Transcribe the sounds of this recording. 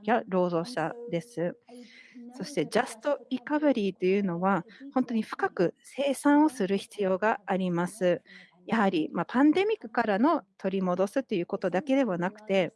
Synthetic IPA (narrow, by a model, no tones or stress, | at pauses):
jaɾo̞ːzo̞ːɕa̰d̪e̞sɨ | so̞ɕi̥t̪e̞d͡ʑasɨ̥t̪o̞ikaβɯ̟ɾʲiːt̪e̞jɯ̟ːno̞βahõ̞nt̪o̞ɲ̟iɸɯ̟̥kakɯ̟se̞ːsãɰ̃o̞sɨɾɯ̟çi̥t͡sɨjo̞ːɡaːɾʲimasɨ | jahaɾʲimapãnd̪e̞mʲikːɯ̟̥kaɾano̞t̪ʰo̞ɾʲimo̞d̪o̞sɨt̪ːe̞jɯ̟ːko̞t̪o̞d̪ake̞d̪e̞βanakɯ̟̥t̪e̞